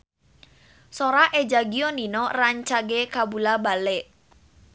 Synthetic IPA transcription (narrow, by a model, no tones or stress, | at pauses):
soɾaʔed͡ʒaɡiɔninɔraɲt͡ʃaɡekabulabalɛʔ